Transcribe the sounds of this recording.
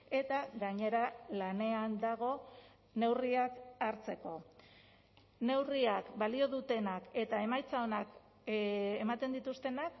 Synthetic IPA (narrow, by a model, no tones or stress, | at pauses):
e̞t̪aɣaɲe̞ɾalane̞and̪aɣ̞o̞ | ne̞wriakaɾt͡se̞ko̞ | ne̞wriakbalio̞ðut̪e̞nake̞t̪ae̞majt͡sao̞nak | emat̪e̞nd̪it̪ust̪e̞nak